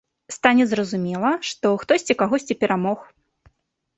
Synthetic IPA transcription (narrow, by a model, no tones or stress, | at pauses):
st̪anʲɛzɾɐzumʲɛlˠɐʂt̪ɔxt̪ɔsʲt͡sʲikaɣɔsʲt͡sʲipʲɛɾʔamɔx